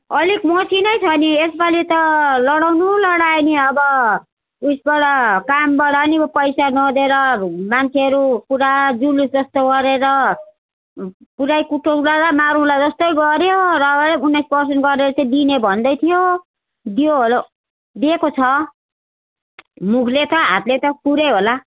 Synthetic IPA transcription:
ʌlikmʌsinʌjt͡sʰʌniesbalit̪ʌlʌɽawnulʌɽajniʌbʌ | usbaɽʌkambaɽʌnibʌpʌjsanʌd̪eɾʌmant͡sʰeɦʌɾukuɾad͡zulusd͡zʌst̪oɡʌɾeɾʌ | puɾajkuʈokuɾaɾʌmaɾũlajd͡zʌst̪ʌjɡʌɾjoɾʌbunːajspʌrsʌnʈɡʌɾeɾʌt͡saj̃d̪inebʱʌnd̪ʌjt̪ʰijo | d̪ijoɦolo | d̪ekot͡sʰʌ | mukʰlet̪ʌɦa̰t̪let̪ʌpuɾejɦola

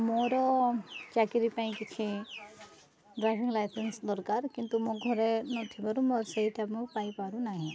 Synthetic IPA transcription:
moːɾɔt͡ʃaːkiɾipaĩkit͡ʃʰi | ɖɾaːjpʰiŋɡlajsensd̪ɔɾkaːɾkint̪umõɡʱɔɾenɔt̪ʰibɐɾumɔɾsɐɦit̪ʰamũpaːipaːɾũnaɦĩ

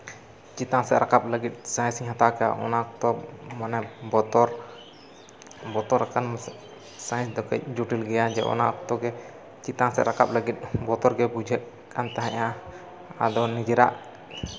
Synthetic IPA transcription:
t͡ʃit̪ãsɛ̰ʔɾʔakap̚ləɡit̪̚ˀsãj̃siɲhãt̪akaja̰ʔɔ̰nat̪ɔmanɛbɔt̪ɔɾ | bɔt̪ɔɾɾɛkan | sãj̃sd̪ɔkɛc̚d͡ʒuʈilɡɛjad͡ʒɛ̰ʔɔ̰na̰kt̪ɔɡɛ | t͡ʃit̪ãsɛ̰ɾakap̚ləɡit̪̚ˀbɔt̪ɔɾɡɛbud͡ʒʱɛʔ | kʰant̪aɦãʔã | a̰d̪ɔnid͡ʒɛɾa̰ʔ

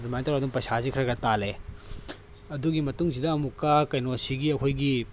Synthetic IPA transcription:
ɾimajntɐɾaduŋpɐsazikʰɾɐɡɐtale | ɐduɡimɐtuŋsidɐːmukːakɐjnosiɡiɐkʰojɡi

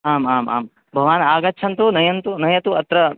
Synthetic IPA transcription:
aːmaːma̰ːm | bʱɐʋaːnaːɡɐt͡ʃʰɐnt̪unɐjɐnt̪unɐjɐt̪uɐt̪ɾɐ

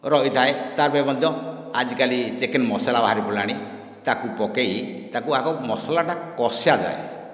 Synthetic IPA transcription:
ɾɔɦit̪ʰaet̪aɾbɔmɔd̪ʱjɔ | ad͡ʒikalid͡ʒekenmɔsalabaɦaɾipulaɽ̃i | t̪akupɔkeit̪akuakɔmɔsalaʈakɔsjad͡ʒa̰ḛ

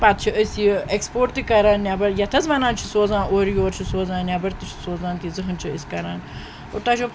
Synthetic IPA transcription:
pat̪t͡ʃʰiʔəsʲjiekspoːɾt̪ikɐɾaːnnʲabɐɾjɐt̪ʰɐzmɐnaːnt͡ʃʰisoːzãːnʔoːɾjoːɾt͡ʃʰisoːzãːnnʲjabɐɾt̪it͡ʃʰi̥soːzãːnt̪izɨɦɨnt͡ʃʰiəsʲkɐɾaːn | o̰ɾt̪ɐʃʰo

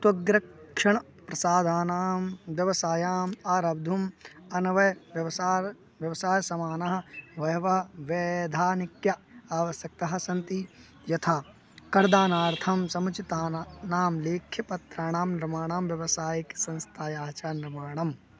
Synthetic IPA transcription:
t̪ɐɡɾɐʂɐɳ | pɾɐsaːd̪ʱaːnaːmʋjɐʋɐsaːjaːmaːɾɐb̚d̪ʱumɐnɐʋɐjʋjɐʋɐsaː | ʋjɐʋɐsaːjɐsɐmaːnɐɦɐ̆ʋɐjɐʋɐɦɐʋeːd̪ʱaːnikjɐaːʋɐsjɐk̚t̪ɐɦɐ̆sɐnt̪i | jɐt̪ʰaː | kɐɾd̪aːnaːɾt̪ʰɐmsɐmɐt͡ʃit̪aːnaːmleːkʰjɐpɐt̪ɾaːɳ̃aːmnɾɐmaːɳaːmʋjɐʋɐsaːjiksɐ̃nst̪ʰaːjaːt͡ʃaːɾnɪɾmaːɳɐm

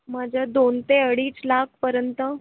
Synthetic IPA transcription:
mad͡ʑʱjad̪ont̪eəɽiːt͡slak̚ʰpəɾjənt̪ə

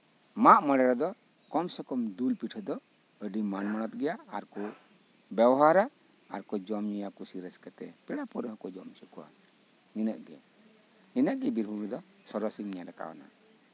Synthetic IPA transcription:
maʔmɔɽɛɾɔd̪ɔ | kɔmsɔkɔmd̪ulpiʈʰɔd̪ɔ | əɖimanmɔnɔt̪̚ɡɛjaaɾkɔ | bɛwɔɦaɾaː | ɾkɔd͡ʒɔmɲijakusiɾɛskɛt̪ɛpɛɽapɔɾɔɦkɔd͡ʒɔmt͡ʃukɔwa̰ | ninəʔɡɛ | ninəʔɡɛbiɾbʱuɡɛd̪ɔ | sɔɾɔsiɲɲaɾaka̰wɔ̰na̰

